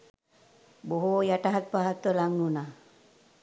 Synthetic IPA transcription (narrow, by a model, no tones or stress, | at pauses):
boɦojaʈaɦat̪̚paɦat̪əlaŋnuna